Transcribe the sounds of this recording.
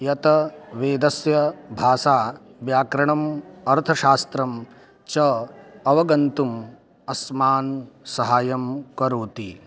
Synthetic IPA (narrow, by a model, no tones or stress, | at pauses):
jɐt̪ɐʋeːd̪ɐsjɐbʱaːsaː | ʋjaːkɾɐɳɐmɐɾt̪ʰɐʃaːst̪ɾɐm | t͡ʃɐɐʋɐɡɐnt̪um | ɐsmaːnsɐɦaːjɐmkɐɾuːt̪i